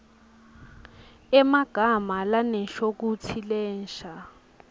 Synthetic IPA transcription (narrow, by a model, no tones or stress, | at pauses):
ɛmaɡ̥ʱamalanɛʃok̬ut͡sʰilɛːnʃa